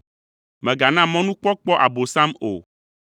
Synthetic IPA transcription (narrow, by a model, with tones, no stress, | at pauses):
mɛ̃˨ɡa˨nã˦˨mɔ̃˦nũ˦k͡pɔ˦k͡pɔ˦ʔa̰˨bo˨sã˦mo̰˨